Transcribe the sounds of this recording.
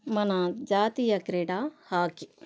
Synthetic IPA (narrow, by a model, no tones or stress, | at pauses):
mɐnad͡ʒaːt̪ijɐkɾeɖahaːki